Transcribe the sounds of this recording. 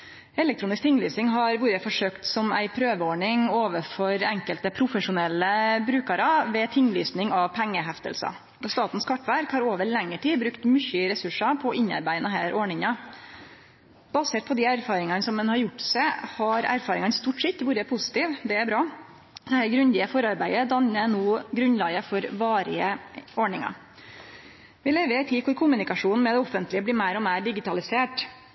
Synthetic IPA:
ɛlɛk̚t̪ɾuːnɪsk̚t̪ʰɪŋlyːsɪŋɦɑɾʋuːɾəfɔʂøːkt̪sɔmæ̰ɪpʰɾøːʋəoːɳɪŋoːʋəfɔɾɛŋkəlt̪əpʰɾʊfəʂʊnɛlːəbɾʉːkəɾɑʋɛt̪ʰɪŋːlyːsnɪŋɑʋpʰæŋːəɦæft̪ə̰lsɑ̰ | ɔst̪ɑːt̪n̩skʰɑʈːʋæɾkhɑɾoːʋəɭɛŋːəʈiːbɾʉkt̪mʏçəɾɛsʉʂɑpʰɔʔɪɲːɑ̰ɾbæɪnəɦæːɾʔoːɳɪŋɑ | bɑseːt̪̚pʰɔd̪ɪæɾfɑːɾɪŋɑnəsɔmːɛnhɑɾjʊʈːsæɪhɑɾæ̰ɾfɑːɾɪŋɑnst̪uːʈsɛt̪ːʋuːɾəpʰʊsɪ̥t̪iːʋd̪ɛæɾbɾɑː | d̪̥ɛhæːɾɡɾʉnd̪ɪəfɔɾɑɾbæɪəd̪ɑnːənoːɡɾʉnlɑːɡəfɔɾʋɑːɾɪ̰əɔɳɪŋɑ̰ | ʋɪleːʋət̪ʰɪkʰʊɾkʰʊmʉnɪkɑʂuːnn̩mɛd̪ɛɔfːənt̪lɪəbliːmæɪɾɔmæɪɾɖɪɡɪt̪ɑlɪseːʈ

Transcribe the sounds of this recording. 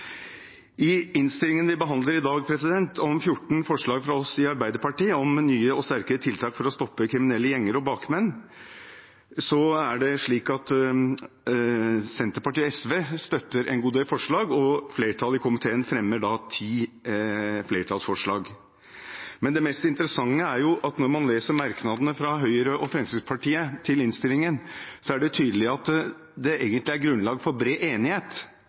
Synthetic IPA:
ʔɪɪnst̪ɪlɪŋənʋɪbəɦɑnd̪ləɾɪd̪ɑːɡpʰɾɛsɪd̪ɛnt̪ʰɔmfjʊʈːɳ̩fɔʂɭɑːɡfɾɑɔsɪɑɾbæɪd̪əɾpɑʈiːɔmnyːəɔst̪æɾkəɾət̪ʰɪlt̪ʰɑːkfɔɾɔst̪ɔpːəkʰɾɪmɪnɛlːəjɛŋːəɾɔbɑːkmɛnː | sɔæɖɛʂɭiːkɑt̪ | sɛnt̪əɾpɑʈiːɛsʋeːst̪œt̪ːəɾʔɛ̰nɡuːd̪eːlfɔʂɭɑːɡɔfleːɾʈʰɑlɪkʰʊmɪt̪ʰeːənfɾɛmːəɖɑt̪ʰiː | fleːʈʰɑlsfɔʂɭɑːɡ | mɛnd̪ɛmɛst̪ɪnt̪əɾəsɑŋːəæɾjʊʔɑt̪nɔɾmɑnleːsəɾmɑɾknɑd̪ənəfɾɑɦœʏəɾəʔɔfɾɛmsɪspʰɑʈʰiːət̪ʰɪlɪnst̪ɪlːɪŋənsɔæɖɛt̪ʰyːd̪əlɪɑt̪ | d̪ɛʔeːɡənt̪lɪæɾɡɾʉnlɑːɡfɔɾbɾeːʔeːnɪheːt̪

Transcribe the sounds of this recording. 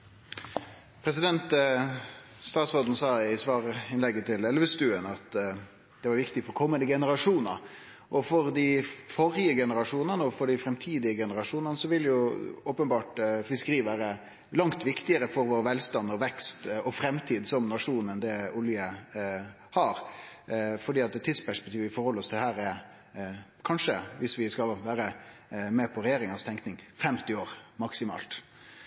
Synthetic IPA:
pʰɾɛsɪd̪ɛnt̪ | st̪ɑːt̪sʁoːd̪n̩sɑːɪsʋɑːɾɪnlɛɡːət̪ʰɪlɛlʋəst̪ʉːənɑt̪ | d̪̥ɛʋɑɾʋɪkt̪ɪɡfɔɾkʰɔmːənd̪əɡɛnəɾɑʂuːnə̰ɾ | ʔɔfɔɾd̪ɪfɔɾɪəɡɛnəɾɑʂuːnənəɔfɔɖɪfɾɛmt̪ʰiːd̪ɪəɡɛnəɾɑʂuːnənəsɔʋɪljʊoːpənbɑːʈfɪskəɾiːʋæːɾə | lɑŋt̪ʋɪkt̪ɪəɾəfɔɾʋoːɾʋɛlst̪ɑnːɔʋɛkst̪ɔfɾɛmt̪ʰiːd̪sɔmnɑʂuːnənd̪ɛʊljə | hɑɾ | fɔɖiːɑt̪̚ɛt̪ʰːiːd̪spʰæʂpɛk̚t̪iːʋəɪfɔɾhɔlːəɾɔst̪ʰɪd̪ɛhæːɾɛɾ | kʰɑnʂəʋɪsʋɪskɑʋæːɾəmeːpʰɔɾɛjeːɾɪŋəst̪ʰɛŋknɪŋfɛmt̪ɪoːɾmɑksɪmɑ̰ːlt̪

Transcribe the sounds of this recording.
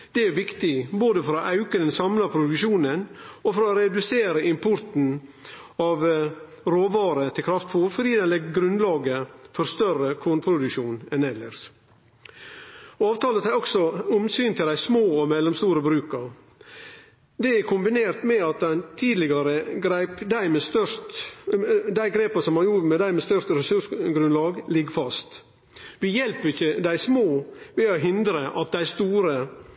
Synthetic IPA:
d̪̥ɛæɾʋɪkt̪ɪboːd̪əfɔɾɔʔɑʉkəd̪ɛnsɑmlɑpʰɾʊd̪ʉʃuːnənɔfɔɾːɾɛd̪ʉseːɾəɪmpʰʊɾt̪n̩ | ɑʋ | ɾoːʋɑːɾət̪ʰɪlkʰɾɑft̪fuɾfɔɖiːd̪ɛnlɛɡɡɾʉnlɑːɡəfɔɾst̪œrəkʰoːnpʰɾʊd̪ʉʃuːnɛnɛlːəɾs | ɔɑːʋt̪ʰɑːlət̪ʰæɾɔksɔʊmsyːnt̪ʰɪld̪æɪsmoːɔmɛlːɔmst̪uːɾəbɾʉːkəɾ | d̪ɛæɾkʰʊmbɪneːɾt̪mɛɑt̪̚d̪æɪnt̪ʰiːd̪lɪɡɑɾəɡɾæɪpd̪æɪmɛst̪œɾt̪ | d̪æɪɡɾeːpɑsɔmhɑnjuːɾmɛd̪æɪmɛːst̪œʂt̪ɾɛsʉʂɡɾʉnlɑːɡlɪɡfɑst̪ | ʋɪjɛlpəɾɪçəd̪æɪsmoːʋɛoɦɪnd̪ɾəʔɑt̪̚d̪æɪst̪uːɾə

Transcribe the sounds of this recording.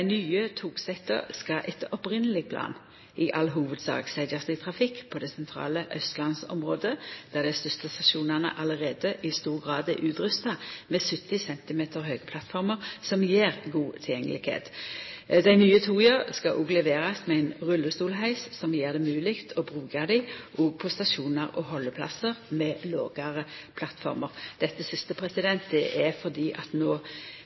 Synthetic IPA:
d̪æɪnyːət̪ʰuːɡsɛt̪ə̰ʁskɑʔɛt̪ɔpʁɪnəlɪɡ̚pʰlɑ̰ːn | ɪʔɑlɦuːʋəd̪sɑ̰ːɡsæɪd̪əʁsɪt̪ʰʁɑfɪkːpʰɔd̪ɛsɛnt̪ʰɾɑ̰ːləʔœst̪lɑnsɔ̰mʁoːd̪əd̪̥æːʁd̪æst̪ʉst̪ɑst̪ɑʃuːnæʁnə̰ʔɑləʁeːd̪əʔɪst̪uːʁɡʁɑːd̪æʔʉːt̪ʁʉst̪ɑmeːsʉt̪ɪsɛnt̪ɪmeːt̪ʰəʁɦøːɡəpʰlɑt̪fɔʁməʁsɔmjeːʁɡuːt̪ʰɪljɛŋːəlɪɡhḛːt̪ | d̪æɪnyːət̪ʰuːjøʁskɑʔʊːɡlɛʋeːʁɑsmɛæɪnʁʉlːəst̪uːlɦæɪssɔmjeːʁd̪ɛmʉːlɪkt̪ʰɔbʁʉːɡɑd̪ɪʔɔːɡ̚pʰɔst̪ɑʃuːnəʁɔhɔlːəpʰlɑ̰səʁmɛlo̰ːɡɑʁəpʰlɑt̪fɔ̰ʁməʁd̪̥ɛt̪ːəsɪst̪əpʰʁɛsɪd̪ɛnt̪̚d̪ɛʔæfɔʁd̪iːʔɑt̪noː

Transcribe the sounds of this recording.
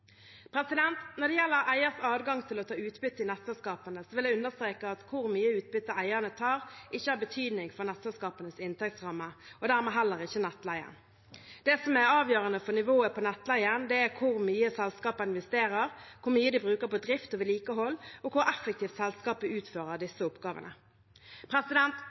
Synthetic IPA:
pʰɾɛsɪd̪ɛnt̪nɔʁd̪ɛjɛlːəɾæɪəʁsɑːd̪ɡɑŋt̪ʰɪlɔt̪ʰɑːʉːt̪bʏt̪ːəɪnɛt̪sɛlskɑːpənəsɔʋɪlæɪʉnəʁst̪ʁeːkəɑt̪kʰʊʁmyːəʉːt̪̚bʏt̪ːəæɪəʁnət̪ʰɑːʁʔɪçːəɑːbət̪ʰyːd̪nɪŋfɔʁnɛt̪sɛlskɑːpənəsɪnt̪ɛk̚t̪sʁɑmːəɔd̪æːʁmɛɦɛlːəɾɪçːənɛt̪ːlæɪə̰n | d̪̥ɛsɔmɛɾɑːʋjøːʁənəfɔnɪʋoːəpʰɔnɛt̪ːlæɪənd̪ɛæɾkʰʊɾmyːəsɛlskɑːpɑɪnʋɛst̪eːɾəʁkʰʊɾmyːəd̪ɪbʁʉːkəɾpɔd̪ɾɪft̪ɔʋɪliːkəɦɔlːɔkʰʊɾɛfːɛkt̪iːft̪sɛlskɑːpəʉːt̪føːʁəd̪ɪsːəʊpɡɑːʋə̰nə̰ | pʰɾɛsɪd̪ɛnt̪

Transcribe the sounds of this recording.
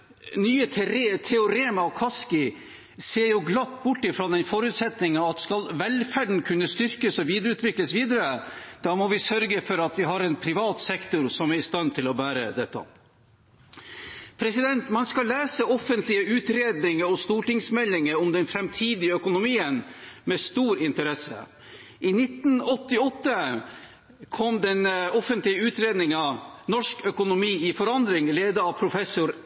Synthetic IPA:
nyːət̪ʰɛʊɾeːənɑʋkʰɑskɪ | seːɾjʊɡlɑt̪ːbʊʈːɪfɾoːd̪ɛnfɔɾʉːt̪sɛt̪nɪŋɑɑt̪skɑlʋɛlfæɖɳ̩kʰʉnːəst̪ʏɾkəsɔʋiːd̪əɾəʉːt̪ʰʋɪkləsʋiːd̪əɾəd̪̥ɑːmɔʋɪsœɾɡəfɔɾɑt̪ʋɪɦɑɾɛnpʰɾɪʋɑːt̪sɛkt̪ʊɾsɔmæɾɪst̪ɑnt̪ʰɪlɔbæːɾə̰d̪ɛt̪ːɑ̰ | pʰɾɛsɪd̪ɛnt̪mɑnskɑllːæːsəɔfənt̪ʰlɪəʉːt̪ɾeːd̪nɪŋəɔst̪uːʈɪŋsmɛlːɪŋəɾɔmd̪ɛnfɾɛmt̪ʰiːd̪ɪəœkʊnʊmiːənmɛst̪uːɾɪnt̪əɾɛsːə̰ | ʔɪnɪt̪n̩ɔt̪ːɪɔt̪ːə | kʰɔmd̪ɛnɔfənt̪lɪəʉːt̪ɾeːd̪nɪŋɑnɔʂkœkʊnʊmiːɪfɔɾɑnd̪ɾɪŋleːd̪əɑʋpʰɾʊfɛsʊɾ

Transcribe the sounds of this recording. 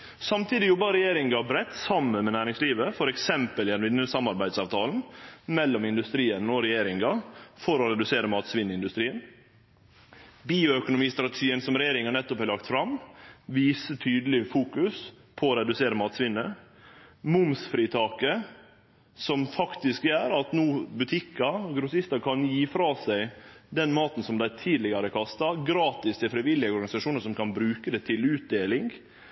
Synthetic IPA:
sɑmt̪ʰiːd̪ɪjɔbːəɾɛjeːɾɪŋɡɑbɾɛt̪ːsɑmːənmɛnæːɾɪŋsliːʋəfɔɾɛksɛmpəlɪd̪ɛnʋɪnːəsɑmːɑɾbæɪd̪sɑːʋt̪ʰɑːln̩mɛlːɔmɪnd̪ʉst̪ɾiːənɔɾɛjeːɾɪŋɡɑfɔɾɔɾɛd̪ʉseːɾəmɑːt̪sʋɪnːəɪnd̪ʉst̪ɾiːən | biːʊœkʊnʊmiːst̪ɾɑt̪əʃiːənsɔmɾɛjeːɾɪŋɑnɛt̪ːɔphælɑkt̪fɾɑmʋiːsət̪ʰyːd̪əlɪfuːkʉs | pʰɔɾɛd̪ʉseːɾəmɑːt̪sʋɪnːə | mʊmsfɾiːt̪ʰɑːkə | sɔmfɑkt̪ɪskjæːɾɑt̪nuːbʉt̪ʰɪkɑɡɾʊsɪst̪ɑkʰɑnjiːfɾɑːsæɪd̪ɛnmɑːt̪n̩sɔmd̪æɪt̪ʰiːd̪lɪɡɑɾəkʰɑst̪ɑɡɾɑːt̪ɪst̪ʰɪlfɾɪʋɪlːɪəɔɾɡɑnɪsɑʂuːnəɾʂɔmkʰɑnbɾʉːkəd̪ɛt̪ʰɪlʉːt̪̚d̪eːlɪŋɡ

